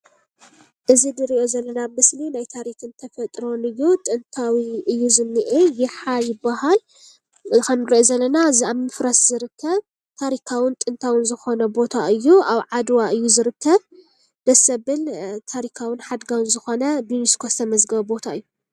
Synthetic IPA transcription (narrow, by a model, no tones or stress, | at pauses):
ʔɨzid̪ɨɾiʔo̞zɐlːɐnamɨslinajt̪ʰaɾikʰɨnt̪ʰɐfɐt̪ʼɾo̞nɨjːut̪ʼɨnt̪ʰawiʔɨjːuzɨnːɨʔejɪħajɪbːaɦal | kʰɐnɨɾiʔozɐlːɐnazaβmɨfɾɐsz̥ɨɾɨkʰːɐβ | t̪ʰaɾikʰawɪnt̪ʼɨnt̪ʰawɨnzɨxo̞nɐbo̞t̪ʰaʔɨjːuaβʕad̪waʔɨjːuzɨɾɨkʰːɐβ | d̪̥ɐsɐβɨnt̪ʰaɾikʰawɨnħad̪ɡawɨnzɨxo̞nɐbiniskʰost̪ʰɐmɐzɡɐβbo̞t̪ʰaɨjːu